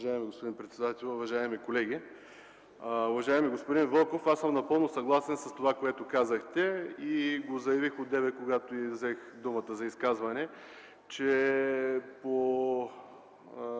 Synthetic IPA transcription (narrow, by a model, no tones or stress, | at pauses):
ʒaɛmiɡospʊd̪inpɾɛt̪sɛd̪at̪ɛlʲˠʊvɐʒaɛmikolɛɡ̟ʲi | ʊvɐʒaɛmiɡospod̪invəlˠkofasəmnɐpɤlˠnosɐɡlˠasɛnsɐst̪ovakoɛt̪okazəxt̪ɛiɡozɐjɐvixod̪ɛvɛt̪̚koɡat̪oivzɛx | d̪umət̪əzɐiskazvɐnɛ | t͡ʃɛ | po